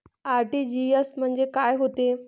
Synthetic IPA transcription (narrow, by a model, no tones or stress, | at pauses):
aɾʈid͡ʑiesm̤əəɳd͡ʑekaːjɦot̪e